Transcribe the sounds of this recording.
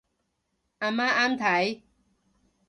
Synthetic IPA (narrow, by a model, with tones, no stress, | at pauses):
a˨ma˦ʔa˦mt̪ʰa˨˦j